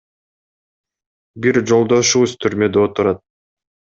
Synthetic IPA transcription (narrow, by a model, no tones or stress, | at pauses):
biɾd͡ʒo̞lˠd̪o̞ʃuβuzt̪ʰyɾmø̞d̪eot̪uɾɑt̪̚